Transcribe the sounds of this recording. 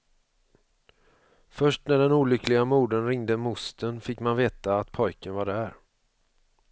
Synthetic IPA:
fœʂʈnæɖɛnuːlʏklɪɡamuːɖənɾɪŋd̪əmʊst̪ənfɪkːmanveːt̪aːt̪pʰɔjkənvaɖɛæɾ

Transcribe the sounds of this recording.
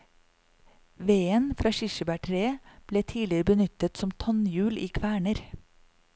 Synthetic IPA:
ʋeːənfɾɑːʃɪʃəbæːʈʰɾeːb̥leːt̪ʰiːlɪɾəbənʏt̪ət̪sɔmt̪ʰɑnjʉːliːkʰʋæːɳəɾ

